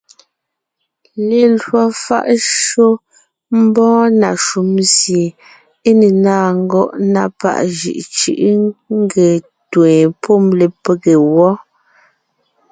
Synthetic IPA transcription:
le˨lwɔ˨fa̰˦˨ʔʃo˦ | m̩˦bɔ̃ː˦na˨ʃu˨˦mzje˨ | e˦ne˨naː˦ŋ̩˦ɡɔ˦ʔna˦pa̰˦ʔʒḭ˨ʔt͡ʃɯ̰˦ʔŋ̩˦ɡe˨ | twẽ˨pʰo˦˨mle˨pe˦ɣe˨wɔ˦

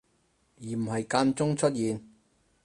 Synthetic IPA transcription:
jiː˨˩m̩˨˩hɐ˨jkaː˧nt͡sʊ˥ŋt͡ʃʰɵ˥t̚jiː˨n

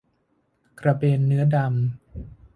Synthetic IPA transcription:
kɾa˧beː˧nːɯ˦˥ɐda˧m

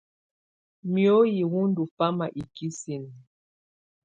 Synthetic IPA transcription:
mjo˦ji˨wu˦ndu˨fa˦ma˨ʔi˨ki˦si˨n˨

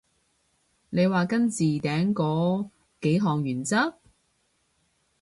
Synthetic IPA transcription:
ne˨˧jwaː˨kɐ˥nt͡siː˨t̪ɛː˨˥ŋkɔː˨˧˥ | ke˨˥jɦɔː˨˩ŋjyː˨˩nt͡sɐ˥k̚

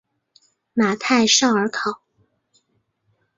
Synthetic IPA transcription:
ma˨˩t̪ʰa˥˧ɪʂɑ˥˩ʊə˞˧˥kʰɑ˨˩˦ʊ

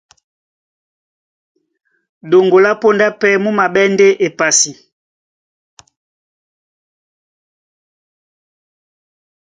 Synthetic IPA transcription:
ɗo˨ŋɡo˨la˦po˦nda˦pɛ˦mu˦ma˨ɓɛ˦nde˦ʔe˨pa˨si˨

